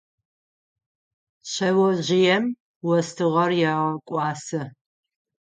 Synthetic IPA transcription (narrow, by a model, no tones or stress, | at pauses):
ɕɐwɔʑɪjɛm | wɔstʰɨʁɐrjaʁɐkʷʼɑːsɨ